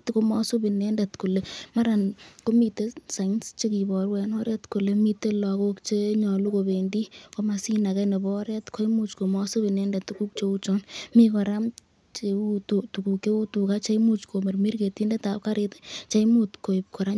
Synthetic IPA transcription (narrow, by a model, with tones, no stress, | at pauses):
tko˧mɔ˦so˦bi˨nɛ˦nde˨tku˨le˨ma˦ɾa˨nko˦mi˨te˦sa˨ŋst͡ʃe˦ki˨bɔ˨ɾwɛ˨nɔ˦ɾe˦tko˨le˦mi˦te˦lɔ˨ko˦kt͡ʃe˦ɲɔ˨lu˦ko˨be˨ndi˦ko˦ma˨si˦na˨kɛ˦ne˨bɔ˦ɾɛ˦tko˦jmu˦t͡ʃko˨mɔ˦so˦bɪ˨nɛ˦nde˨tuku˦k̚t͡ʃe˧u˦t͡ʃɔ˦nmi˦kɔ˨ɾa˦m | t͡ʃe˧u˦to˨tu˨ku˨ke˦u˦tu˨ka˦t͡ʃa˦jmu˦t͡ʃko˨me˨rmi˦rke˨ti˦nde˦tap̚ka˦ɾɪte̥t͡ʃa˦jmu˦tko˨ɪp̚kɔ˨ɾa˦